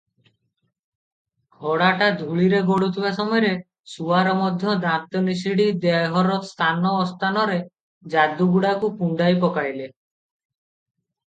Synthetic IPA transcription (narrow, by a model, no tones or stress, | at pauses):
ɡʰʱɔɽaʈad̪ʱuɭiɾeɡoɽut̪ʰibasɔmɔjɔɾe | suaɾɔmɔd̪ʱjɔd̪ãt̪ɔnisiɽid̪eɦɔɾɔst̪ʰanɔːst̪ʰanɔɾe | d͡ʒad̪uɡuɽakupuɳɖajpɔkajle